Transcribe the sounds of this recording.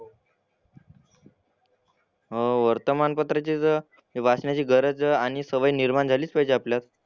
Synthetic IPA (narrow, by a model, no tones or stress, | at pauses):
ɦəʋəɾt̪əmanpət̪ɾat͡ɕiːt͡s | ʋasɳjat͡ɕiːɡəɾəd͡zaɽ̃isəʋəiniɾmaɳd͡zʱaliːt͡spajd͡ʑeapljat̪